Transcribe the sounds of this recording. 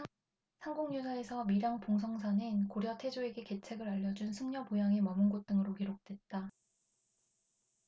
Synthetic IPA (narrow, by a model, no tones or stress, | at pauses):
sʰaŋɡoŋɲusʰae̞sʰʌmiɾjaŋpoŋs̬ʰʌŋsʰanɯnkoɾjʌtʰed͡ʑoe̞ɡe̞ke̞t͡ɕʰe̞ɡɯɾaʎːʌd͡ʑunsʰɯŋɲʌpojaŋemʌmɯnɡot̚t͈ɯŋɯɾokiɾok̚t͈we̞t̚t͈a